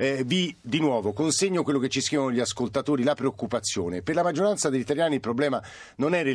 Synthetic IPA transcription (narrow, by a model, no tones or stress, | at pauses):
vid̪inwɔːvokonseɲːokwelːoket͡ʃːiskɾiːvanoʎːiaskolt̪at̪oːɾilapɾeokːupat̪sːjo̰ːneperlamad͡ʒːoɾant̪sad̪eʎːit̪aljaːnilpɾoblɛːma | nonɛre